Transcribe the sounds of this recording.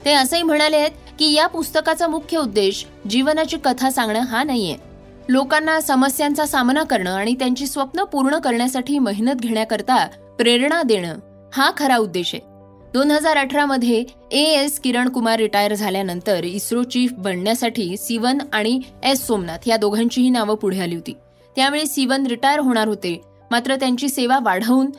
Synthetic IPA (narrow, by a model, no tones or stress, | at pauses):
t̪eəsəim̤əɽ̃aljet̪̚ | kiːjapust̪əkat͡samukʰjəud̪ːeɕ | d͡ʑiʋnat͡ɕiːkət̪ʰasãŋɡɳəːɦanaɦijḛ | lokanːasəməsjãnt͡sasamnakəɾɳəːaɽ̃it̪jaɲt͡ɕiːsʋəpnəpuɾɳəkəɾɳjasaʈʰiːməɦinət̪̚ɡʱeɳjakəɾt̪a | pɾeɾɳad̪eɽ̃əː | hakʰəɾaud̪ːeɕḛ | d̪onɦəd͡zaɾəʈʰɾaməd̪ʱje | eeskiɾəɳkumaɾːiʈajəɾd͡zʱaljanənt̪əɾisɾot͡ɕiːfbʱəɽɳjasaʈʰiːsiʋənaɽ̃iesːomnat̪jad̪oɡʱãɲt͡ɕiːɦiːnaʋəpuɽ̤jaliɦot̪iː | t̪jaʋeɭiːsiʋənɾiʈajəɾɦoɽ̃aɾɦot̪e | mat̪ɾət̪jaɲt͡ɕiːseʋaʋaɽ̤əuːn